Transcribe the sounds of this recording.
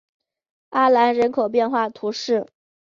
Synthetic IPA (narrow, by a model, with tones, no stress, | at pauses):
a˥la˧˥nɻə˧˥nkʰo˨˩ʊp̬jɛ˥˧nxwa˥˩t̪ʰu˧˥ʂɻ̩˥˩